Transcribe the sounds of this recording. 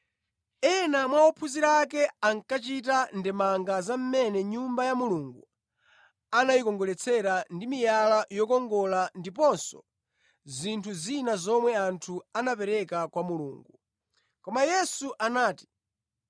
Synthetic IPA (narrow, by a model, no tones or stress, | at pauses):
ɛnamwaɔpʰuziɾak̬ɛaŋkat͡ʃit̬andɛmaŋɡazam̩mɛnɛɲumbajamuluŋɡu | anajikɔŋɡɔlɛt͡sʰɛɾandimijalajɔkɔŋɡɔlandip̬ɔnsɔ̰ | zintʰuzinazɔmwɛantʰuanapɛɾɛkakwamulṵːŋɡu | kɔmajɛsuʔanaːti̥